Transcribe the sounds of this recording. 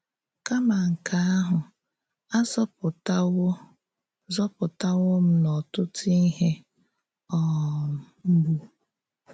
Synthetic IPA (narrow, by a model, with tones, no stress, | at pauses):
ka˦ma˨ŋ̩˨kʰa˨a˦ɦʊ˨ | a˦zɔ˦pʊ˨t | zɔ˦pʊ˨ta˦wʊ˦m̩˦nɔ˨tʊ˦tʰi˦ɦe˦ | ɔ˨ | m̩˦bu˦